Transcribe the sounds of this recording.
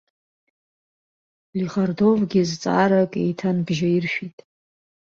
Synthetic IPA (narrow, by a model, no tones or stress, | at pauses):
liχardo̞vɡʲizt͡sʼa̰ɾakʼe̞̰jtʰanbʒaiɪrʃᶣitʼ